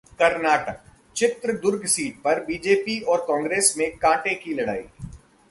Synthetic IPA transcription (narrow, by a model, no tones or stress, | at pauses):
kɐɾnaːʈək̚ | t͡ʃɪt̪ɾəd̪ʊɾɡsiːʈ̚pɐɾbiːd͡ʒeːpiɔːɾkɔ̃ːŋɡɾeːsmẽkãːʈekilɐɽa̰ːḭː